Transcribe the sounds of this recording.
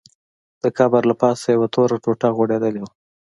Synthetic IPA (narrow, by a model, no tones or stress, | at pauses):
d̪̥əkɑbaɾlapɑsajawat̪ʰoɾaʈoʈaɣoɽed̪əlewa